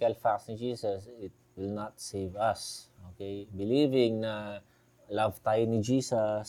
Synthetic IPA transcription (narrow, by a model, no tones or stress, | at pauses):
kalfak̚tsnid͡ʒiːsasɪt̪̚wɪlnat̪̚sevasokejbilivɪ̃ŋna | lavt̪ajnid͡ʒiːsas